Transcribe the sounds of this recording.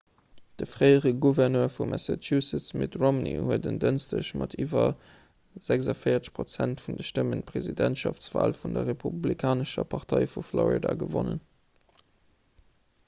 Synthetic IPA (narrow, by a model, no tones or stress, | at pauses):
d̥əfʁɜɪəʁəɡuvɛʁnøːfumʔæsatʰusət͡smetʁomnḭhuətəndənstəɕmʔɑtʰiːvɐ | z̥ækzɑfəɪɐt͡sə̥ʃpʁot͡sæntfundəʃtəmənt̚pʁezidæntʃɑft͡sv̥a̰ːlfundɐʁepʰublikʰaːnəʃɐpʰɑʁtʰɑɪfuflɔʁḭdaɡəvonən